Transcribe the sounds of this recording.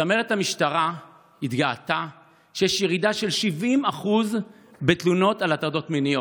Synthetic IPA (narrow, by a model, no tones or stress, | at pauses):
sameʁethamiʃtaʁa | itɡaata | ʃejɛʃjeʁidaʃe̞lʃivimaχuz | bet̪luno̞talat̪aʁdo̞tminijo